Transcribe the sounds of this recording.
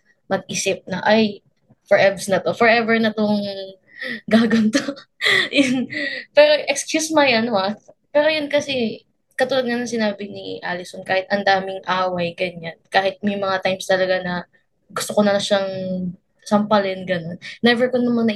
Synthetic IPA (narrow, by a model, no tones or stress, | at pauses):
mɐɡ̚ʔiːsɪp̚nɐʔaj | fɛɹʔɛbsnɐt̪o̞fɛɹʔɛbɛɹnɐt̪oŋ | ɡaːɡɐnt̪ojʊnpɛːɾoʔɛkskjusmajʔɐnoʔa | pɛːɾojʊnkɐsɛ | kɐt̪uːlɐd̪̚ŋɐnɐŋsɪnaːbɪnḭʔalɪsonkaːhɪt̪ʔɐnd̪aːmɪŋʔaːwɐjɡɐɲankaːhɪt̪̚mɐjmɐŋat̪ajmst̪ɐlɐɡanɐ | ɡʊst̪okonɐlɐʃaŋ | sɐmpɐlɪnɡɐno̞nːɛbɛɹkonːɐmɐŋnɐ